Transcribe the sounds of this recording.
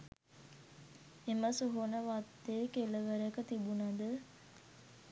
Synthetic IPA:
eməsuɦonəʋat̪ːekeləʋəɾəkət̪ibunɐd̪ə

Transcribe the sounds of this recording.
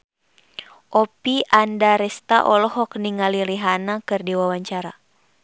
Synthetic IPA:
ʔɔpiʔandaɾɛst̪a̰ʔɔlɔhɔk̚niŋaliliɦanakɨrdiwawaɲt͡ʃaɾa

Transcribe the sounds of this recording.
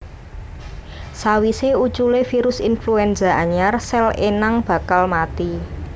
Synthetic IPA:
sawiseut͡ʃulefiɾʊsinfluɛnzaʔaɲarsɛlḛnaŋb̥ä̤kalmat̪i

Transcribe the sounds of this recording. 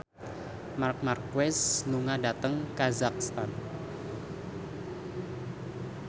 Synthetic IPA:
mark̚markwɛsnuŋadat̪əŋkazak̚st̪an

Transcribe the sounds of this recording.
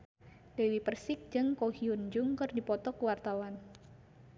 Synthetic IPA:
dewipərsɪk̚d͡ʒɨŋkohiund͡ʒʊŋkɨrdipɔt̪ɔkuwart̪awan

